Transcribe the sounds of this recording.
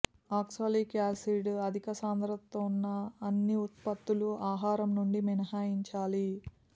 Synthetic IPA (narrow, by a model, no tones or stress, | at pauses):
aːksoːlikaːsiɖɐd̪ʱikɐsaːnd̪ɾɐt̪ːonːɐːnːiut̪pɐt̪ːuluaːɦaːɾɐmnuɳɖiminɐɦaːjiɲt͡ʃaːli